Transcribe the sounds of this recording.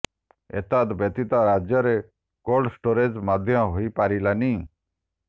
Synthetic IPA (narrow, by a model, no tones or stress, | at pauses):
ḛt̪ad̪bət̪it̪aɾad͡ʒjɔɾe | koɾɖsʈoɾed͡ʒmad̪ʱjɔ̃ɦoipaɾilani